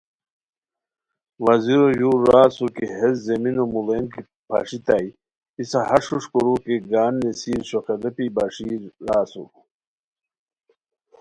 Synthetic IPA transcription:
wɐziɾojuːɾːaːsukiɦezzeminomulemki | pʰa̰ːʂit̪ai | isahɐʂuʂkoɾukeɡaːnːesiːɾɕokɐd̪ɐpibaʂiɾaːsṵ

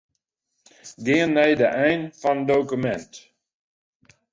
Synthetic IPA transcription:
ɡɪːənːɛjdəʔɛjnfɔnədowkymɛnt

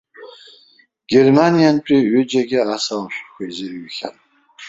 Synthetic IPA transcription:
ɡ̥ʲermanijant͡ʃʼiɥʏd͡ʒaɡʲɪasawmɕʷkʷejzɨɥxʲa̰tʼ

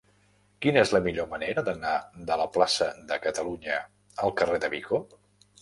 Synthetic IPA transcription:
kinəezləmiʎoməneɾəðənad̪ələplasəðəkət̪əluɲə | əlˠkəreðəβiko

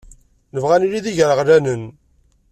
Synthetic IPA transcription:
nəvʁæniliðiʝəɾəʁlænən

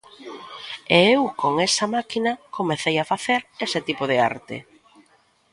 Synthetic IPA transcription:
eewkoŋesɐmakinɐkomeθejafaθeɾesɪt̪ipoðɪa̰ɾt̪ḛ

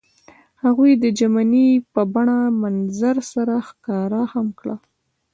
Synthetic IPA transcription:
haɣujd̪əd͡ʒamanipəbaɳamanzaɾsaɾaxkɑɾahamkɽa̰

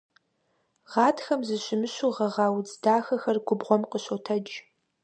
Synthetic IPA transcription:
ʁɑːtʰxɐmzɨɕɪmɨɕuʁɐʁɑːwd͡zdaːxɐxɐrɡʷʊbʁʷɔmqəɕotʰɐd͡ʒ

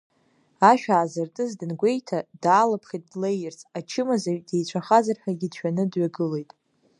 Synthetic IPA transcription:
aʃᶣaːzɨrtʼɨzdɨnɡʷe̞jtʰadaːlapʰχijt̚ʼːlejerzʰʼat͡ʃʰɪmazaɥde̞jt͡ɕʷʰaχazarħᶣaɡʲɪdʃᶣanɨdɥaɡɨle̞jtʼ

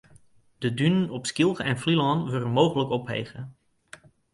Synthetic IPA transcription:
d̥ədynənɔpskilˠχəɛnflilɑnʋɪrəmowχələkɔpɦḛjχə

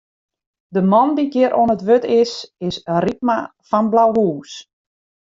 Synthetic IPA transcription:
dəmɔndiɡjɪəɾʔoənətʋøtʰɪsɪsərit̚ma | fɔnblawɦuːs

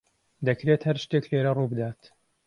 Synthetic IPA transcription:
d̪ɐkɾeːt̪hɐɾʃt̪eːkleːɾɐruːbɨd̪aːt̪

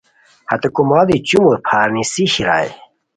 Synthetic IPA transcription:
hɐ̰t̪ɐkumaːd̪it͡ɕumopʰaːɾnisiɕiɾa̰ːj

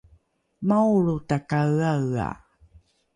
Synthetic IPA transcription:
mawɭutakawaa̰

